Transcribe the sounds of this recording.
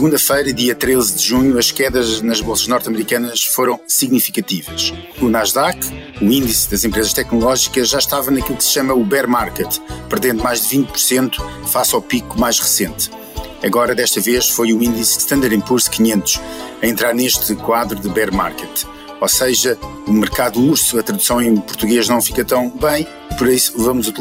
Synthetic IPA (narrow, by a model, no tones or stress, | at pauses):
sɣũnd̪ɐfɐjɾɐðiɐt̪ɾezd̪ɨʒuɲuɐʃkɛðɐʒnɐʒβolˠsɐʒnɔɾt̪ɐmɾikɐnɐʃfoɾɐ̃w̃siɣnifikɐt̪ivɐʃ | unaʒðak | uĩnd̪isðɐzẽmpɾezɐʃt̪ɛknulˠɔʒikɐʒʒaʃt̪avɐnɐkilˠuksɨ̥ʃɐmɐuβɛɾmaɾkɛt̪pɨɾðẽnd̪umajʒd̪ɨvĩnt̪̚pu̥ɾsẽnt̪u̥ | fasawpikumajʒʁɨsẽnt̪ | ɐɣɔɾɐðɛʃt̪ɐveʃfojũĩnd̪isʃt̪ɐ̃nd̪aɾĩpuɾskiɲẽnt̪u̥ʃɐẽnt̪ɾaɾneʃt̪ɨkwaðɾuðɨβɛɾma̰ɾkɛt̪ | osɐʒɐ | umɨɾkaðuuɾsuɐt̪ɾɐðu̥sɐ̃w̃ẽj̃puɾt̪uɣeʒnɐ̃w̃fikɐt̪ɐ̃w̃bɐ̃j̃ | pɔɾɐisu̥vɐmuzut̪